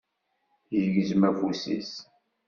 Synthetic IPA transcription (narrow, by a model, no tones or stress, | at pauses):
jəʝəzmæfusḭs